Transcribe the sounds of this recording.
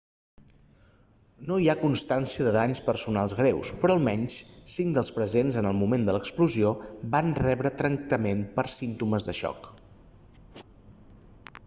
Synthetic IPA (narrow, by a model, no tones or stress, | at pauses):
noiakunst̪ansiəðəðaɲspəɾsunalˠzɣɾɛwspɾɔəlˠmɛɲssiŋd̪əlˠspɾəzenzənəlˠmumend̪ələkspluziobanrɛβɾət̪ɾəŋk̚t̪əmempəɾsint̪uməzðəʃɔ̰k